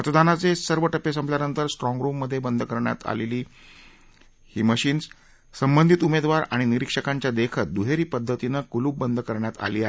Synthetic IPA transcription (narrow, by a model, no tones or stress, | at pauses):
mət̪d̪anat͡sesəɾʋəʈəpesəmpljaɾnənt̪əɾsʈɾɔ̃ŋɡɾumːəd̪ʱːjebənd̪ʱəkəɾɳja̰t̪a̰leliː | hiːməɕiːns | səmbənd̪ʱit̪umed̪ʋaɾa̰ɽ̃iniɾikʂəkaɲt͡ɕjad̪ekʰət̪̚d̪uɦeɾiːpəd̪ʱːət̪inəkuluːbənd̪ʱəkəɾɳjat̪a̰liːaɦe